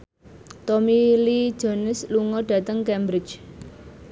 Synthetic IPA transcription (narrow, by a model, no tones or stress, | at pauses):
t̪omili̥d͡ʒ̥ɔ̤nʊsluŋɔɖ̥ä̤t̪əŋkɛmbɾɪ̥t͡ʃ